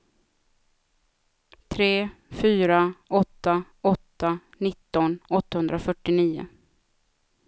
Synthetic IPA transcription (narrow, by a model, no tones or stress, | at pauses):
t̪ʰɾeːfyːɾaɔt̪ːa | ɔt̪ːanɪt̪ːɔnɔt̪ːahɵnd̪ɾafœʈːɪniːʊ̰